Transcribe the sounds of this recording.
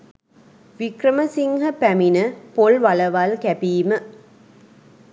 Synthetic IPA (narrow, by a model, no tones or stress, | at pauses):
ʋikrɐmɐsiŋhɐpæminɨpolʋɐɭɐʋɐlkæpiːmə